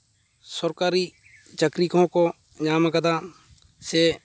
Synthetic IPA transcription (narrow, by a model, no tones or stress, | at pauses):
səɾkaːɾiː | t͡ʃəkɾiːkõkoː | ɲaːmakəd̪aː | seː